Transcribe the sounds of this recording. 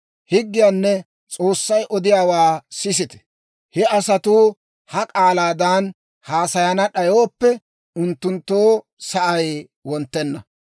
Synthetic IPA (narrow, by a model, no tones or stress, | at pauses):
hɪɡːɪjaːnːɛ | t͡sʼo̞ːsːɐjʔɔd̪ɪjaːwaːsɪs̬ɪt̪ɛ̥ | hɛɐsɐt̪uː | hɐkʼaːlaːd̪an | haːsɐjɐnɐɗɐjo̞ːpːɛ | ʊnt̪ːʊnt̪ːoː | sɐʔɐj | wɔnt̪ːɛnːɐ